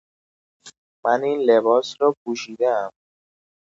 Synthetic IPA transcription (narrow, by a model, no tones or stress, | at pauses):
maniːnlebɒːsɾɔːpʰuʃid̪æːm